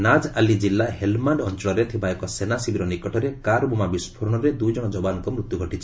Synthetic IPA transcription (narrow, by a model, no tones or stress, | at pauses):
nad͡ʒalid͡ʒilːahelmaɳɖɔnt͡ʃɔɭɔɾet̪ʰibaekɔsenasibiɾɔnikɔʈɔɾekaɾbumabispʰɔɾɔɽ̃ɔɾed̪ujd͡ʒɔɽ̃ɔd͡ʒɔbanɔŋkɔmɾut̪juɡʱɔʈit͡ʃʰi̥